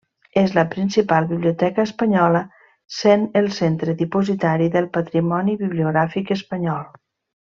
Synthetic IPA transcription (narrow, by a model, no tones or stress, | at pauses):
ezləpɾinsipalˠβiβliut̪ɛkəːspəɲɔlə | senəlˠsent̪ɾəðipuzit̪aɾiðəlˠpət̪ɾimɔniβiβliuɣɾafikəspəɲɔlˠ